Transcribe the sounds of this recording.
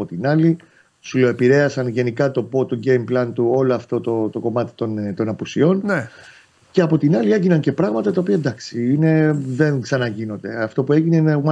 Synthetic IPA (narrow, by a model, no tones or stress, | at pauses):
ot̪inɐli | suloe̞piɾe̞ɐsɐnʝe̞nikɐt̪o̞po̞t̪o̞ɲɟe̞jmplɐnt̪uo̞loɐft̪o̞t̪ot̪o̞ko̞mɐt̪i̥t̪ont̪o̞nɐpusio̞nn | ce̞ɐpo̞t̪inɐlie̞ʝinɐnce̞pɾɐɣmɐt̪ɐt̪ɐopiɐed̪ɐksiine̞ðe̞nksɐnɐʝino̞nd̪e̞̰ɐft̪o̞pue̞ʝineinem